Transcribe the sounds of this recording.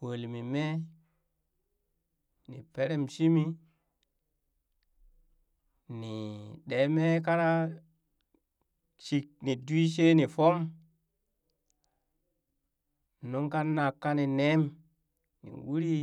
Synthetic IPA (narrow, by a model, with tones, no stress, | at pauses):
wo˨lmi˨me˦ | nḭ˨pe˦ɾe˦˨msi˦mi˦ | ni˨ɗe˨˦me˦ka˦ɾa˦ | t͡ʃi˨k̚ni˨du˦i˦s̬e˦ni˨fo˦m | no˦ŋka˦na˨kːa˦ni˨ne˦m | nḭ˨wu˦ɾi˦